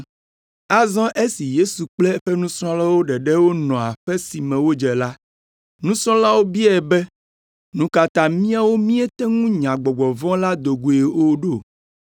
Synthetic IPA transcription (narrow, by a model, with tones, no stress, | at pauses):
a˦zɔ̃˦ʔe˦si˨je˦su˨k͡plɛ˦ɸɛ˦nũ˦sɾ̃ɔ̃˦la˦wo˦ɖɛ˨ɖɛ˦wo˦nɔ̃˨a˨ɸɛ˦si˨mɛ̃˨wo˦d͡ʒɛ˨la˦ | nũ˦sɾɔ̃˦la˦wo˦bi˦a˨ɛ˨bɛ˦ | nũ˦ka˨t̪a˨mĩ˦a˦wo˦mĩ˦ɛ˦t̪ɛ˦ŋũ˦ɲã˨ɡ͡bɔ˨ɡ͡bɔ˨vɔ̃˦la˦d̪o˨ɡu˨e˨o˦ɖo˦˨